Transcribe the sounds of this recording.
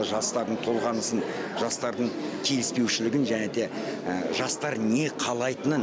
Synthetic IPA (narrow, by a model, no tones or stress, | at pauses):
ʒɑst̪ɑɾd̪əɴt̪ʰo̞lˠʁɑnəsənʒ̥ɑst̪ɑɾd̪əɴkʲʰe̞lɪspe̞wʃɪlɪɡʲɪnʒæned̪e̞ | ʒɑst̪ɑɾne̞qʰɑlˠɑjt̪ənən